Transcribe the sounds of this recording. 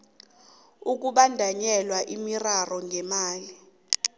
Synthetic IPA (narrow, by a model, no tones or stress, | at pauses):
uk̬ʼuɓandʱaɲɛlwaʔimirarɔŋʱɛmaːli